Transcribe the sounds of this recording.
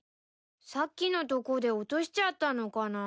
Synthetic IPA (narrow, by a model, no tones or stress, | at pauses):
sakʲːino̞t̪o̞ko̞d̪e̞ot̪o̞ɕi̥t͡ɕat̪ːano̞kana